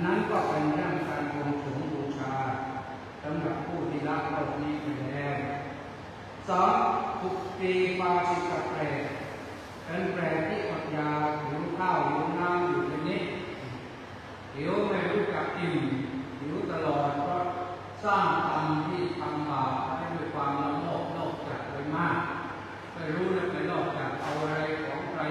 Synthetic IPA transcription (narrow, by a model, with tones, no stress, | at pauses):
na˦˥nkɔː˥˩pe˧nk̪ʰa˥˩˧t͡ɕʰaː˧nko˧ŋt͡ɕʰu˨˩˦ŋbuː˧t͡ɕʰaː˧ | sa˨˦mɾa˨˩p̚pʰːuː˥˩t̪ʰiː˥˩la˦˥ʔ̚kɔː˧˩tni˦˥˩ma˥˩lːɛː˦˥˩w | sɔː˨˦mt̪ʰu˨˩k̚piː˧kaː˧si˨˩t̚ka˨˩p̚plɛː˨˩k̚ | ka˧nplɛː˨˩k̚t̪ʰiː˥˩ʔɔ˨˩t̪̚jaː˧wt̪ʰi˩˦wkʰaː˥˩wt̪ʰi˨˩˦wnaː˦˥mjiu˨˩t̪ʰa˧ni˦˥ʔ̪̚ | t̪ʰi˩˦wna˧˩ɾuː˥˩ka˨˩p̚ki˨˩nt̪ʰi˩˦wt̪a˧lɔː˨˩t̪̚pʰɔ˥˩ | saː˥˩ŋt̪a˧nt̪ʰiː˥˩t̪ʰa˧ŋbaː˨˩˧a˥˩jduː˥˩jkʰwaː˧mla˦˧˥wlɔː˥˩k̚lɔː˥˩k̚t͡ɕaː˨˩k̚ɾa˧jmaː˥˩k̚ | kaː˥˩jɾuː˦˥na˥˧˩ka˧lɔː˥˩k̚t͡ɕaː˨˩k̚ʔa˧wʔa˧ɾa˧jkʰɔː˩˦ŋkʰɾa˧